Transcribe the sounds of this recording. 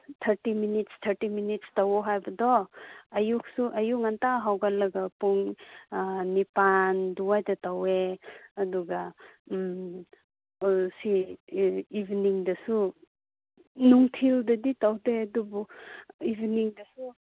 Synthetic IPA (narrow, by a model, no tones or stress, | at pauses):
tʰɐɾtiminitstʰɐɾtiminitstawɔɦajbɐdɔɐjuk̚suʔɐjuŋantaɦawɡalɐɡɐpuŋ | nipanduwajdɐtaweɐduɡam | siː | bniŋdɐsu | nuŋtʰildɐditawdeɐdubuibniŋdɐsu